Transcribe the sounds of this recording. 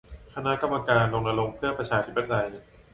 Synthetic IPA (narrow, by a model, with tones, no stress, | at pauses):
kʰa˧na˦˥ka˧mːa˧kaː˧nɾo˧ŋna˧lo˧ŋpʰɯ˥˩ɐpɾa˧t͡ɕʰaː˧t̪ʰi˦˥pa˧t̪ʰa˧j